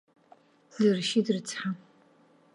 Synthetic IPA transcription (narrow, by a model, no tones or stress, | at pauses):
zɨrɨʃiːdrɨt͡sʰħa